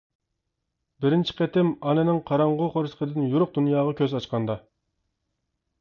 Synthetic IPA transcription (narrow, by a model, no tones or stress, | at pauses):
bɪɾɪnt͡ʃʰi̥qʰɛt̪ɪmɑnɪnɪŋqʰɑɾɑɴʁʊqʰoɾsə̥qʰəd̪ɪnjuɾʊq̚d̪unjɑːʁɑkʲʰøzɑt͡ʃqʰɑnd̪ɑ